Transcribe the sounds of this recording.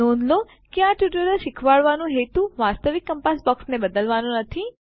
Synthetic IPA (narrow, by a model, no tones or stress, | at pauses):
ond̪lo | kiaʈjuʈəɾəʃɪkʰʋaɭʋanũɦet̪uʋast̪əʋɪkːəmpasbɔksnebəd̪əlʋanũnət̪ʰi